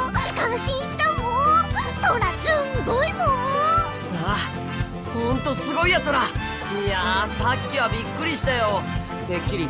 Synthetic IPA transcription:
kãɰ̃ɕĩɕit̪amosoɾasɨɡoimõn | a | hõnt̪o̞sɨɡo̞ijasoɾa | jasakʲːiβabʲikːɯ̟ɾʲiɕi̥t̪ajo̞ | d̪ekʲːiɾʲi

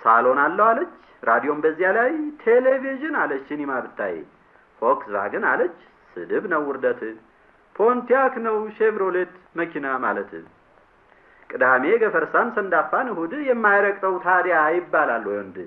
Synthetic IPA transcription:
sa̰lo̞nalːəwalət͡ʃː | ɾad̪ijo̞mbəzːijalajt̪ʰeleviʒɨnalət͡ʃːɨnimaβɨt̪ʰːa̰jḛ | hoksba̰ɡɨnalət͡ʃː | sɨd̪ɨβnəwːʊɾd̪ət̪ʰɨ | pʰo̞nt̪ijaknəwʃevɾolet̪məkʰinama̰lət̪ʰɨ | kʼɨd̪ame̞ɡəfəɾsamsənd̪afːanɨhud̪jɛmːajɾəkʼt̪ʼəwt̪ʰad̪jajɪbːalalːojond̪ɨ

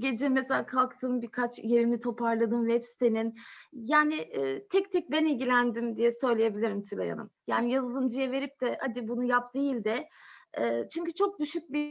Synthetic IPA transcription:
ɟe̞d͡ʒɛmːeselʲaːkʰalˠkt̪ʰɯːmbiɾkʰat͡ʃjeɾinit̪ʰo̞paɾlˠad̪ɯmlʲɛpst̪ʰeninjaːnɪʔːt̪ʰɛc̚t̪ʰɛc̚bɛnilʲɟʲilʲænd̪imd̪ijɛsø̞jlʲeje̞bilʲiɾimt̪ʰylʲa̰ja̰nɯ̰mjaːnijazɯlˠd̪ɯmd͡ʒijɛve̞ɾip̚d̪ɛhad̪ibunujapd̪ejilʲd̪ɛː | t͡ʃʰyɲcyt͡ʃʰo̞k̚d̪yʃyc̚bi

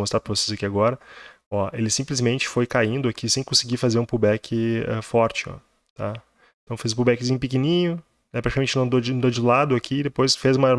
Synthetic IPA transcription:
most̪ɾaɾpɾɐvose̥zakiaɡɔɾɐ | ɔelɪsĩplɪzmẽnt͡ʃɪ̥fojkaĩnd̪ʊakʰisẽj̃kõsɪɡifazeɾũpubɛkʰɪɛ̰fɔɾt͡ʃɪɔ̰ | t̪a̰ | ẽt̪ɐ̃w̃fezʊpubɛkɪzĩɲʊpɪkinĩɲʊ | nɛpɾat͡ʃikamẽnt͡ʃɪnɐ̃w̃d̪od͡ʒɪ̃d̪od͡ʒɪlad̪ʊakʰid̪epojsfezũmɐɾ

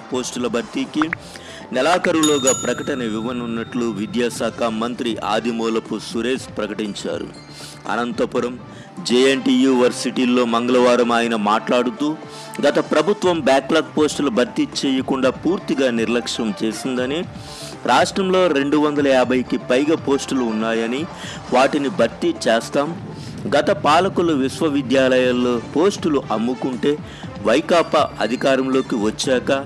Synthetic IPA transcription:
po̞ːsʈulɐbʱɐɾt̪iki | nɛlaːkɐɾulɔːɡaːpɾɐkɐʈɐnɐʋiʋɐnunːɐʈluʋid̪jaːsaːkʰɐmɐnt̪ɾiʔa̰ːd̪ʱimɔːlɐpusuɾeːspɾɐkɐʈiɲt͡ʃa̰ːɾṵ | ɐ̰nɐnt̪ɐpuɾɐm | d͡ʒeːeɳʈiːjuːʋɐɾsiʈiːlːo̞ːmɐŋɡɐlɐʋaːɾɐmaːjinɐmaːʈlaːɽut̪uː | ɡɐt̪ɐpɾɐbʱut̪ʋɐmbjaːklaːk̚po̞ːsʈulɐbʱɐɾt̪it͡ʃɛːjɐkuɳɖaːpuːɾt̪iɡaːniɾlɐkʂnɐmt͡ʃe̞ːsind̪ɐni | ɾaːʂʈɾɐmlo̞ːɾe̞ɳɖuʋɐnd̪ɐlɐjaːbʱɐjkipɐjɡɐpo̞ːsʈuluːnːaːjɐni | ʋaːʈinibʱɐɾt̪it͡ʃɛːst̪aːm | ɡɐt̪ɐpaːlɐkuluʋiʃʋɐʋid̪jaːlɐjaːlːoːpo̞ːsʈuluʔɐmːukuɳʈe̞ː | ʋɐjkaːpɐɐ̰d̪ʱikaːɾɐmlo̞ːkiʋɐt͡ʃːɛːkɐ

